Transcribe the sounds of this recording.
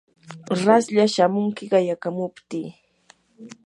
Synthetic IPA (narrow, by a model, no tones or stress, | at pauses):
ɾasʎaʃamʊŋkɪɢɑjakamʊpt̪iː